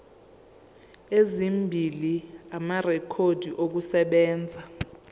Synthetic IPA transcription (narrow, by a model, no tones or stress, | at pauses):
ezimbʱiliamarɛkʰod̥ʱiʔok̬usɛɓɛːnd͡zʱa